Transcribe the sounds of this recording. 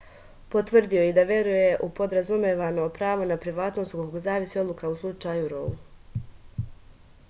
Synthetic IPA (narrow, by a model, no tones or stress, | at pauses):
po̞t̪ʋr̩d̪io̞id̪aʋjeɾuje̞ʔupo̞d̪ɾazumeʋano̞pɾaːʋo̞napɾiʋaːt̪no̞st̪kokoɡzaːʋisio̞d̪lˠukauslˠut͡ʃajuɾolu